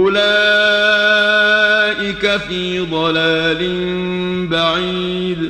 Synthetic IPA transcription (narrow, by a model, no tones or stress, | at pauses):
ʔʊlaː | ʔɪkafiːd̪ˤɑlaːlɪn | baʕiː | d̪